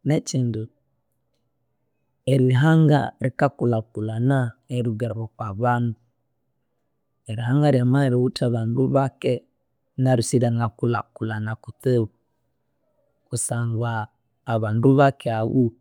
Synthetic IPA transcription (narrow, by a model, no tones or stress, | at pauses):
net͡ʃindu | eɾiɦaŋɡa̰ɾikakulakulanaeɾuɡaɾβɔkwaβanu | eɾiɦaŋɡaɾiamaɾiutaβanduβakɛ | naɾisiɾaŋakula̰kulanakuteβu | kusaŋɡaː | βanduβakɛaβu